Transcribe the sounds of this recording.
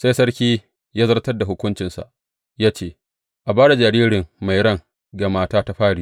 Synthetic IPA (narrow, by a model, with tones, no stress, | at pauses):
sa˦jsɐ˦ɽkʲiː˦ | jaː˦zɐ˦rtɐ˦rda˨ɦʊ˦kʷʊ˦nt͡ʃɪ˨nsa̰˨ʔ | jaː˦t͡ʃeː˦˨ | ʔa˨baː˦ɽa˨d͡ʒa˨ɾiː˦ɽɪ˨ŋma˨jɽɐ˦˨ŋ | ɡa˨maː˦taː˦ta˦ɸaː˦ɽiː˦